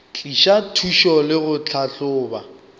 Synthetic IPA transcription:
t͡ɬʼiʃatʰuʃɔlɪɣʊt͡ɬʰaɬʊːba

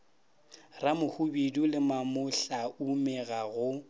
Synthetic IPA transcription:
ramʊhubidulɪmamʊɬaumɛɣaɣʊ

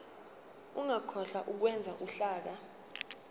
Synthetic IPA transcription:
uŋakʰɔɬaʔuk̬wɛnd͡zʱaʔuɬaːk̬a

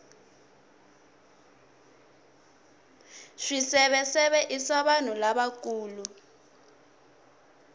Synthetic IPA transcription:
ʂisɛɓɛsɛɓɛʔisaɓan̤ulaɓak̬uːlu

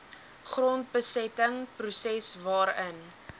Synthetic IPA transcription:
χront̚bəsɛtəŋprusɛsvɑːɾən

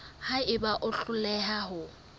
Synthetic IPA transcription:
haɪbaʔʊɬʊlɛɦaɦʊ

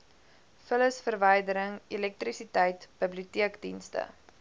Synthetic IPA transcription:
fələsfərvəjdəɾəŋilɛk̚trisitɛjtb̥əbliutiəkdḭnstə̰

